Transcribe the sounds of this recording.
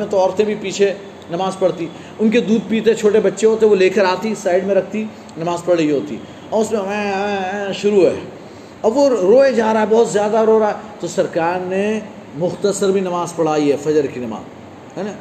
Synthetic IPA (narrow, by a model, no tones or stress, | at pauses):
mẽt̪oɔːɾt̪ẽbʱipiːt͡ʃʰe | nɐmaːzpɐɽt̪i | ʊnked̪uːd̪̚piːt̪ẽt͡ʃʰoːʈebɐtːʃeɦoːt̪eẽʋoleːkəɾaːt̪isaːɪɖmẽɾɐk̚ʰt̪i | nɐmaːzpɐɽ̤ɐiɦoːt̪ḭ | ɔːɾʊsmẽɛ̃ɛ̃ʃʊɾuɦɛ | ɐbʋoɾoːed͡ʒaːɾaːɦɛbɔːʊt̪zjaːd̪aɾoːɾaːɦɛt̪osɐɾkaːɾne | mʊxt̪əsəɾbʱinɐmaːzpɐɽ̤aːiɦɛfɐd͡ʒəɾkinɐma̰ːz | ɦɛːnaː